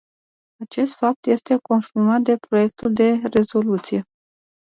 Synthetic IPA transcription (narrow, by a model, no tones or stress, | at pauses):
at͡ʃe̞st̪fap̚t̪je̞st̪e̞ko̞nformat̪̚d̪e̞pɾo̞je̞k̚t̪uld̪e̞re̞zo̞lut̪sije̞